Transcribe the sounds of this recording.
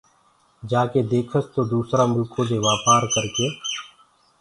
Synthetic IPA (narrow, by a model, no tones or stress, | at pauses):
d͡ʒaːked̪eːkʰəst̪oːd̪uːsɾaːmʊkʰoːd̪eːʋaːpaːɾkəɾkeː